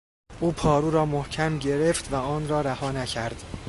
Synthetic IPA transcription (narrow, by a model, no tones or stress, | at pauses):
ʔuːpʰɒːɾuːɾɒːmohcʰæmɟe̞ɾeft̪væɒːnrɒːɾæhɒːnæcʰæɾd̪̥